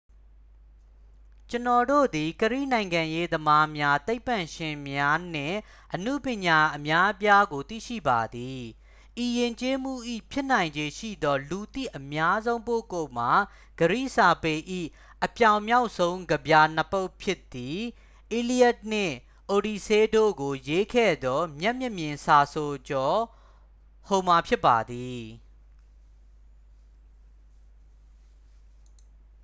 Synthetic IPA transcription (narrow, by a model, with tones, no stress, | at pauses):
t͡ɕənɔ˨do̰˦˨d̪i˨kəɹḭ˦˨nã˨ɪ̃ŋɡã˨je˦d̪əma˦mja˦t̪e˦ɪpːã˨ʃɪ̃˨mja˦n̥ɪ̰̃˦˨ | ʔənṵ˦˨pjɪ̃˨ɲa˨ʔəmja˦pja˦ɡo˨t̪ḭ˦˨ʃḭ˦˨ba˨d̪i˨ | ʔi˨jɪ̃˨ɲt͡ɕe˦m̥ṵ˦˨ʔḭ˦˨pʰjɪ˦ʔnã˨ɪ̃ɲd͡ʑe˨ʃḭ˦˨d̪ɔ˦lu˨t̪ḭ˦˨ʔəmja˦zõ˦ʊ̃po̰˦˨ko˦˨m̥a˨ | ɡ̥əɹḭ˦˨sa˨pe˨ʔḭ˦˨ | ʔəpjã˨ʊ̃mja˦ʊʔsʰõ˦ʊ̃ŋɡəbja˨n̥əpo˦ʊpʰjɪ˦t̪ːi˨ | ʔi˨li˦jɛ˦t̚nɪ̰̃˦˨ | ʔo˨di˨se˦do̰˦˨ɡo˨je˦kʰɛ̰˦˨d̪ɔ˦mjɛ˦ʔmjɪ˦˨mjɪ̃˨nsa˨so˨d͡ʑɔ˨ | ho˨ma˨pʰjɪ˦pːa̰˨d̪i˨